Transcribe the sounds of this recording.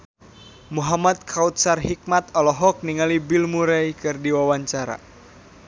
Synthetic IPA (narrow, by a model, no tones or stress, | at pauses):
muɦamat̪̚kʰaut̪̚sarhik̚mat̪ɔlɔɦɔk̚niŋalibilmuɾaikɨrdiwawaɲt͡ʃaɾa̰